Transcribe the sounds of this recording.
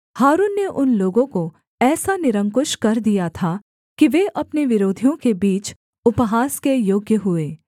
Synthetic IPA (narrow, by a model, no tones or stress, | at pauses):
haːɾuːnːeʔʊnloːɡõko | ɛːsanɪɾə̃ŋkʊʃkɐɾd̪ijat̪ʰa | kiʋeʔɐpneʋɪɾoːd̪ʱijõkebiːt͡ʃ | ʊpɦaːskejoːɡjəɦʊeː